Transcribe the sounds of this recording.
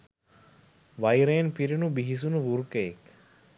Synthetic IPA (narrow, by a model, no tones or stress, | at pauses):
ʋajɾeːnpiɾinubiɦis̬unuʋuɾkeek